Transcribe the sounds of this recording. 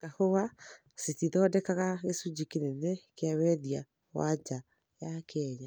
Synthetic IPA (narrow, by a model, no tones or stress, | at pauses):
ɡahowa | sitiðɔdɛkaɣaɣesud͡ʑikenenɛkeawɛðia | wa̰d͡ʒa | jakeɛɲa